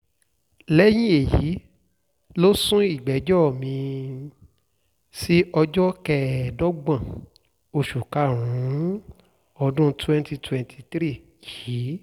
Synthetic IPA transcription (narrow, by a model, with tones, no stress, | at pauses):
lɛ˦j̃ĩ˦e˨ji˨˦ | lo˦sũ˦i˦˨ɡ͡bɛ˨˦d͡ʒɔ˦˨mĩ˧ | si˦ʔɔ˧d͡ʒɔ˦kɛ˦˨dɔ˦ɡ͡bã˦˨ | o˧ʃu˨ka˨˦˨ɾ̃ũ˨˦ | ɔ˧dũ˦twɛ̃˦nti˧twɛ̃˨ntʰi˧tɾi˦˨ | ji˨˦